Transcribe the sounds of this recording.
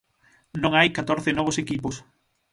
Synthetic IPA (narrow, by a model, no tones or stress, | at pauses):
nõŋajkat̪oɾθɪnɔβ̞osekipos